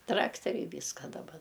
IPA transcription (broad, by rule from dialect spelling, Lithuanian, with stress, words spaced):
ˈtrɑːktʲɛrʲɛɪ ˈʋʲiːskɐ dɐˈbɐ